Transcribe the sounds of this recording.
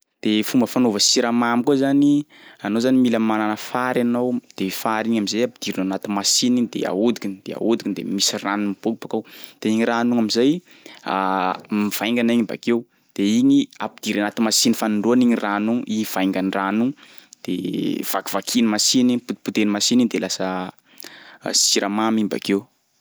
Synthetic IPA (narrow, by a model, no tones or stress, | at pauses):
d̪̥efumbəfanovəsiɾamamikuazani | anozanimiləmananəfaɾanowd̪̥efaɾiɲamizajapid̪̥iɾinanat̪imasinid̪ḛa̰ud̪ikind̪̥ḛa̰ud̪ikind̪ḛmisiranimib̥okibakawd̪̥eiŋiɾanuŋamizaj | a̰miv̥ajŋɡaniɲiba̰kew | d̪̥eiɲia̰pid̪̥iɾanat̪imasinifaniɳɖ͡ʐuaniɲiranuʔiɲiv̥ajŋɡaniranu | d̪̥ḛv̥aki̥vakʰinimasiniput̪put̪enimasiniɲid̪elasə | siɾʔamamiɲba̰kew